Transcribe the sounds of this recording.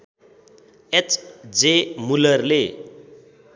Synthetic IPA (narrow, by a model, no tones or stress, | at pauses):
et͡sʰd͡zemulʌrle